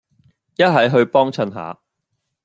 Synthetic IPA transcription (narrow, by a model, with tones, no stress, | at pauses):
jɐ˥t̚ɦɐ˨˥jɦɵ˧ɥpɔː˥ŋt͡sʰɐ˧nɦa̰ː˨˦